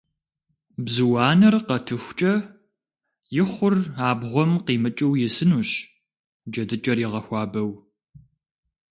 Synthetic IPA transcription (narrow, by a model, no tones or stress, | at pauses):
bzɨwɑːnɐrqɐtʰɨxʷt͡ʃʼɐ | jɪχʷʊraːbʁʷɔmqiːmɨt͡ʃʼɐwjɪsɨnuːɕ | d͡ʒɐdɨt͡ʃʼɐrjɪʁɐxʷɑːbɐw